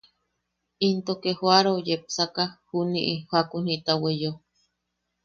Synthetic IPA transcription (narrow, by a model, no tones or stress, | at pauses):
int̪okehoaɾojep̚sakahunḭʔihwakun̥it̪awejo